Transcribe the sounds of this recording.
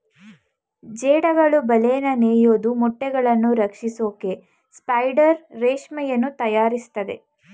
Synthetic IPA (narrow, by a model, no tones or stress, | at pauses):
d͡ʒeːɽɐɡɐɭubɐleːnɐneːjoːd̪umɔʈːɛɡɐɭɐnːuɾɐkʂisoːke | spɐjɖɐɾːeːʃmɛjɐnːut̪ɐjaːɾist̪ɐd̪e̞̰